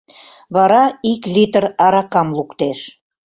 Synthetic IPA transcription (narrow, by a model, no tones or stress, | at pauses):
βɑɾɑiklʲit̪ərɑɾɑkɑmlukt̪eʃ